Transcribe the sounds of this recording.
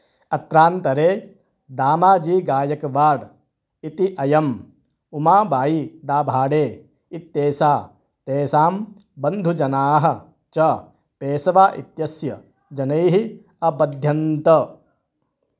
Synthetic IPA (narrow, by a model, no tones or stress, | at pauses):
ɐt̪ɾaːnt̪ɐɾeː | d̪aːmaːd͡ʒiːɡaːjɐkɐʋaːɽ | it̪iʔɐjɐm | umaːbaːjid̪aːbʱaːɽeː | it̪ːeːsaː | t̪eːsaːm | bɐnd̪ʱud͡ʒɐnaːɦɐ̆ | t͡ʃɐ | peːsɐʋaːʔḭt̪jɐsjɐ | d͡ʒɐnɐjɦi | ɐbɐd̪ʱjɐnt̪ɐ